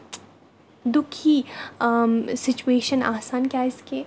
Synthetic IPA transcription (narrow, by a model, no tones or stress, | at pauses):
d̪ʊkʰi | sɪt͡ʃueːʃəna̰ːsaːnkjaːɪske